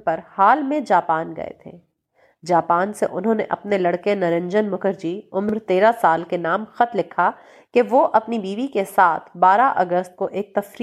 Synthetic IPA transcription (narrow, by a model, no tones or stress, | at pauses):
pɐɾhaːlmẽd͡ʒaːpaːnɡɐ̰ḛt̪ʰḛː | d͡ʒaːpaːnsḛʔʊnɦõːnḛʔɐ̰pnelɐɽkenɐɾɪ̃ɲd͡ʒənmʊkəɾd͡ʒiʊmɾt̪eːɾasaːlkenaːmxɐt̪lɪkʰa | keʋoʔɐpnibiːʋikesaːt̪ʰbaːɾaʔɐɡəst̪̚koʔeːk̚t̪ɐfɾ